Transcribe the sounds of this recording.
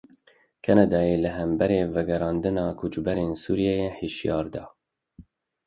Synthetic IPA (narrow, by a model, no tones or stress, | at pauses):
kʰɛnɑd̪ɑːjeləɦɛmbɛɾeːvɛɡɛɾɑːnd̪ɨnɑːkʰut͡ʃbɛɾeːnsuːɾijɛjeheʃjɑːɾd̪ɑː